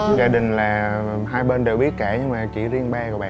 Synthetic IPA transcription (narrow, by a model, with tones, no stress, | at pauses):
zaː˧ɗï˨˩ŋ̟laː˨˩ɦaː˧jɓeː˧nɗe˨˩wɓi˦˥ət̚kɛ˧˩ɲɨ˧ŋmaː˨˩t͡ɕḭ˧˩zi˧ənɓaː˧ɔ˨˩ɓa̰ː˧˨